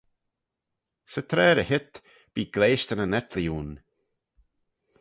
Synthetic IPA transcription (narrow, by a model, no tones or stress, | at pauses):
sət̪ʰɾɛːɾəhɪt̪ | b̥iːɡ̥leːʃt̪ənənɛt̪ʰlijuːn